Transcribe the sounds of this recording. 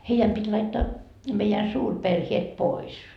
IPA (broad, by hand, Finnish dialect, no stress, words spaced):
heijæm pitʲ lɑitːɑː meijæn suːrperhiet pois